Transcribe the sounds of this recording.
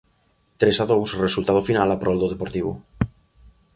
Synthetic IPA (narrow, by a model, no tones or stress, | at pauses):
t̪ɾesaðowsresult̪að̞ofinalapɾold̪oð̞e̞poɾt̪iβo̰